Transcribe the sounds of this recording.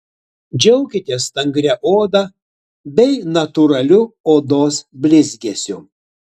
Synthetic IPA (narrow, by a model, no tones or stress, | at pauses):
d͡ʒʲɛʊkʲɪt̪ʲeːst̪ɐŋʲɡɾʲɛʔoːd̪ɑ | bʲɛɪnɐt̪ʊɾɐlʲʊoːd̪oːsbʲlʲɪzʲɡʲesʲʊ